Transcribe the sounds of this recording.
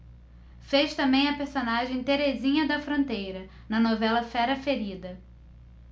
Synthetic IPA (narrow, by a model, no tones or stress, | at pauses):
feʃt̪ɐ̃mbẽj̃ɐpeɾsonaʒẽj̃t̪eɾezĩɲɐd̪ɐfɾõnt̪ejɾɐ | nɐnovɛlɐfɛɾɐfeɾid̪ɐ